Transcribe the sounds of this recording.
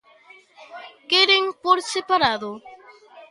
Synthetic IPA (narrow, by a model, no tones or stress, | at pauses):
keɾeŋpoɾsepaɾaðo